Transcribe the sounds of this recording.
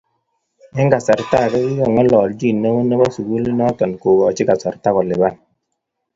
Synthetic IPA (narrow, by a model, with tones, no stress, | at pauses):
ɛ˦ŋɡa˨sa˨ɾta˦˨kɛ˦ki˦jɔ˨ŋɔ˦lɔː˨ld͡ʒi˦˨nːɔ˦wo˦nɔ˦bɔ˦su˨ɡu˦li˦nɔ˦tɔ˨nko˨ɡɔ˨t͡ʃi˦ka˨sa˨ɾta˦kɔ˨lɪ˨ba˦n